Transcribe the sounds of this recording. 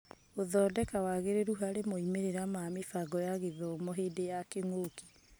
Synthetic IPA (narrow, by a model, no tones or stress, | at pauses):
oðɔːdɛkawaɣeɾeɾuɦaɾemoimeɾeɾamamefaɡɔjaɣeðɔmɔɦeːdejakeŋoki̥